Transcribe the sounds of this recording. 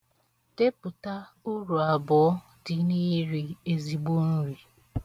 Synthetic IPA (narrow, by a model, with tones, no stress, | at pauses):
te˦pʊ˨ta˦ | u˦ɾu˨a˨bɔ˨˦ | dɪ˨niː˦ɾi˨e˨zi˨ɡ͡bo˦n̩˦ɾi˨